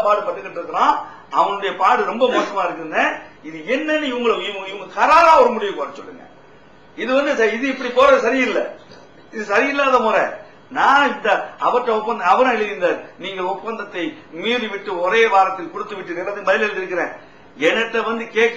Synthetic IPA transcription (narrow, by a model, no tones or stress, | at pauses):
paːɽɯpɐʈːɯkːɐʈːɪɾɯkːɐɾãː | ɐʋɐnɯɽɐjɐpaːɽɯɾɔmbɐmoːsɐmaːɪɾɯk̬ːɯɾɐnd̪ɐɪðɯɛnːɛnːɯɪʋɐŋɡɐɭɪʋŋɡɪʋɐŋɡɐkɐɾaːɾaːɐʋɐɾɯmʊɽɪjɐ̃koːɾɐt͡ʃːɔlːɯ̰ŋɡɐ̰ | ɪðɯʋɐnd̪ɯsɐɪðɯɪpːɐɽipoːɾɐsɐɾɪɪlːɛ | ɪðɯsɐɾɪɪlːaːðɐmoːɾɛ̰ | nãːɪnd̪ɐɐʋɐʈːɐɔpːɐnd̪ɐɐʋɐɾɐ̃ɛɻɯðɪnd̪ɐːɾniːŋɡɐɭɔpːɐnd̪ɐt̪ːɐɪmiːɾiʋɪʈːɯɔɾeːʋaːɾɐt̪ːɐɪkɔɽɯt̪ːɯʋɪʈːɯnɛnːɐðɯbɐðɪlɛɻɯnd̪ɪɾɯkːɪɾẽː | ɛnɐʈːɐʋɐnd̪ɯkeːkː